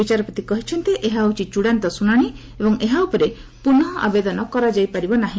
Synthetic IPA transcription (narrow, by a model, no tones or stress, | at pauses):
bit͡ʃaɾɔpɔt̪ikɔɦit͡ʃʰɔnt̪eʔeɦaut͡ʃit͡ʃuɽant̪ɔsunaɽ̃i | ebɔŋeɦaupɔɾe | puɳɔʔabed̪ɔnɔkɔɾad͡ʒajpaɾibɔnaɦĩ